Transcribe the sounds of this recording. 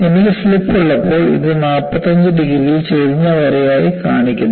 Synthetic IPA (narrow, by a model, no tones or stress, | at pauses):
e̞nikʲːɨslipːuɭːɐpːo̞ːɭḭðɨnaːpːɐt̪ːɐɲd͡ʑɨɖiɡɾiɣilt͡ɕeðiɲːɐʋɐɾɐjaːjikaːɳikʲːunːɐ